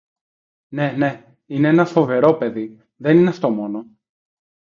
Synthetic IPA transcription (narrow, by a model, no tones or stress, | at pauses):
ne̞ne̞ | ineenɐfo̞ve̞ɾo̞pe̞ði | ðe̞nineɐft̪o̞mo̞no